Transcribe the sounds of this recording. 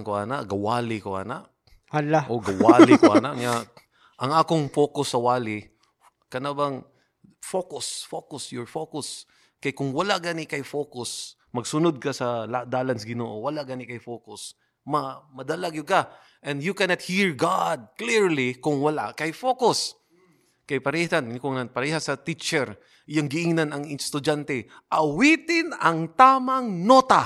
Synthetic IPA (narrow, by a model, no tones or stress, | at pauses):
nkoaːnaʔɡɐwaːlɪkoʔa̰naʔ | halaʔoɡɐwaːlɪkoʔanaʔŋa | ʔɐŋaːkʊŋfoːkʊsːɐwaːlɪ | kɐnabɐŋ | fokʊsfokʊsjʊɹfokʊs | kɐjkʊŋwɐlaʔɡanɪkɐjfoːkʊs | mɐɡsʊnʊd̪̚kɐsɐlad̪aːlansɡɪnoːʔowɐlaʔɡɐnɪkɐjfoːkʊs | mɐmɐd̪ɐlaɡjʊka | ʔɛ̃nd̪jʊkɛnɐt̪̚hiɹɡad̪̚kliɹlikʊŋwɐla̰ʔkɐjfokʊs | kɐjpɐɾɛːhankʊŋɐpɐɾɛhasɐt̪it͡ʃɛɾ | jaŋɡɪʔɪŋnanɐŋɪnst̪ʊd͡ʒant̪ɛ | ʔɐwit̪ɪnɐŋt̪aːmɐŋnoːt̪a